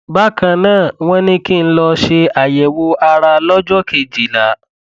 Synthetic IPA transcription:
ba˦kã˧nãː˦˨w̃ɔ̃˦nĩ˦ki˦n̩˦lɔ˧ʃe˧a˨jɛ˨wo˧˦a˧ɾa˧lɔ˦d͡ʒɔ˦kʰe˧˨d͡ʒi˨la˨˦

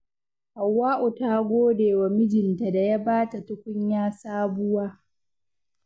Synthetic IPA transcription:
ha˨wːaː˦ʔu˨ta˦ɡʷoː˦deː˨wa˨mɪ˦d͡ʒɪ˨nta˨da˨ja˦baː˦ta˨tʊ˦kʷʊ˦ɲjaː˦saː˦bʊ˦waː˦

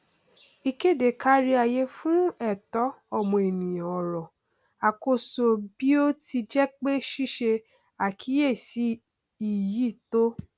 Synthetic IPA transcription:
i˧ke˦˨de˨kʰa˦ɾi˦a˨je˨˦fũ˦ɛ˦˨tɔ˨˦ɔ˦˨mɔ̃˨e˨nĩ˨j̃ã˨ɔ˨ɾɔ˨ | a˨ko˧so˧bi˦o˦ti˧d͡ʒɛ˦k͡pe˦ʃi˦ʃe˧ | a˨kʰi˨˦je˦˨si˨˦ | i˨ji˦˨to˦

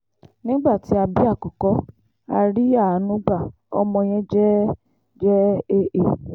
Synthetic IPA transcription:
nĩ˦ɡ͡ba˦˨ti˨˦a˧bi˦a˦˨kɔ˨kɔ˨˦ | a˧ɾi˦a˦˨˦nũ˨˦ɡ͡ba˦˨ | ɔ̰˧mɔ̃˧j̃ɛ̃˦d͡ʒɛ˦ | d͡ʒɛ˦e˧ʔe˨

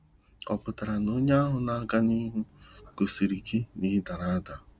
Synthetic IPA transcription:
ɔ̰˨pʊ˨ta˨ɾa˨no˦ɲa˦a˦ɦʊ˨na˨˦ɡa˦ni˦ɦu˦ɡ̥o˨si˨ɾi˨ki˦ni˦ɦɪ˦da˨ɾa˦da˨

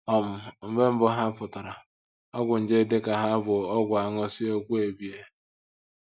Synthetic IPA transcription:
ɔ˦mʊ˨m̩˦be˦m̩˦bʊ˦ɦa˦pʊ˨tʊ˨ɾa˨ | ɔ˦ɡʷʊ˨n̩˨d͡ʒɪ˦dɪ˦ka˨ɦa˦bʊ˨ɔ˦ɡʷa˨ŋʊ˦sɪ˦o˦kʷu˦e˨bi˨e˦

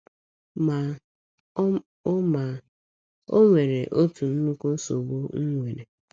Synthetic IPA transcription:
ma˨˦ | ma˨ | o˦ŋʷe˨ɾe˨ʔo˦tu˨n̩˦nu˦ku˦n̩˦so˨bo˦ŋ̩˦ŋʷe˨ɾe˨

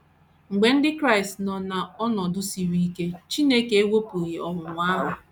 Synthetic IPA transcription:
ŋ͡m̩˨ɡ͡be˨n̩˦dɪ˦kɾa˦˨stnɔ˨na˨ɔ˦nɔ˨dʊ˦si˨ɾi˦i˦ke˦t͡ʃi˦ne˦ke˦e˦wʷo˦pu˨ɣi˨ɔ˨ŋʷʊ˨ŋʷ˨a˦ɦʊ˨

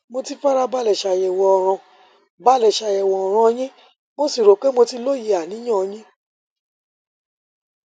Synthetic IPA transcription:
mo˧ti˦fa˦ɾa˧ba˦lɛ˨ʃa˧jɛ˨wɔ̃˧ɔ˨ɾ̃ɔ̃˧ | ba˨˦˨lɛ˨ʃa˧jɛ˨wɔ̃˨ɔ˨ɾ̃ã˧j̃ĩ˦ | mo˦si˦˨ɾo˨ke˦mo˧ti˧lo˦˨ji˨˧a˨nĩ˨˦ɔ̃˦˨˧j̃ĩ˦

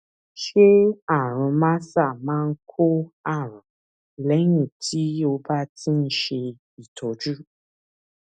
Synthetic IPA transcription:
ʃe˦a˦˨ɾ̃ũ˧mã˦sa˦˨mãː˦ŋ̩˦kʰo˦a˦˨ɾ̃ã˨ | lɛ˨˦nũ˦˨tʰi˦o˧ba˦tʰĩ˦n̩˦ʃe˧ | i˨tʰɔ˨˦d͡ʒu˦

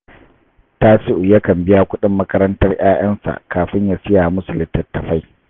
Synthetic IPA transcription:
taː˦sɪ˦ʔu˨jɐ˦kɐ˨mbɪ˦jaː˦kʷʊ˦ɗɪ˦mːɐ˦kɐ˦ɾɐ˦ntɐ˦rj̰aː˦j̰ɐ˦nsa̰˨kaː˨ɸɪ˦ɲja˨sɪ˦jaː˨mʊ˦sʊ˨lɪ˨˦tːɐ˨tːɐ˨ɸa˦j

